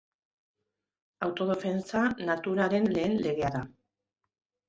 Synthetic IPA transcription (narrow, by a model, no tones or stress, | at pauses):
awt̪o̞ð̞e̞fe̞nt͡sanat̪uɾaɾe̞nle̞ːnle̞ɣe̞aɾða